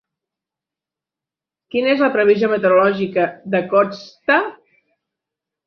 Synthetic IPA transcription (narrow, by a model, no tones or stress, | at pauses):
kinəezləpɾəβ̞izomət̪əɾulɔʒikəðəkɔst̪a